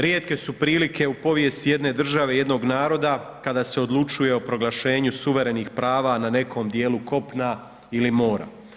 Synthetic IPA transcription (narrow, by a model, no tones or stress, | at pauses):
ɾje̞ːt̪ke̞supɾiːlikʰe̞upo̞ʋje̞st̪ije̞d̪ne̞d̪r̩ʒaʋe̞je̞d̪no̞ɡnaːɾo̞d̪akad̪aːse̞o̞d̪lˠut͡ʃuje̞o̞pɾo̞ɡlˠaʃe̞ːɲusuʋe̞ɾe̞niːxpɾaːʋanane̞ko̞ːmd̪je̞ːluko̞pna | ilimo̞ːɾa̰